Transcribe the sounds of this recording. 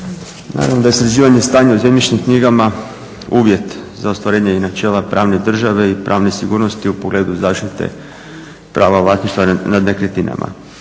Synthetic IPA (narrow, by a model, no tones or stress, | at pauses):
na̰ːɾa̰nod̪ajest̪ɾad͡ʒiːʋaɲe̞st̪aːɲeuzemɲʲit͡ʃnimkniɡama | uːʋje̞t̪zao̞st̪ʋaɾeːɲeinat͡ʃe̞ːlapɾʔaːʋne̞d̪r̩ʒaʋe̞ipɾʔaːʋne̞siɡuːɾnost̪iupoɡle̞ːd̪uzaːʃt̪it̪ḛ | pɾaːʋaʋlˠasiʃt̪anad̪nekɾet̪ina̰mʔa̰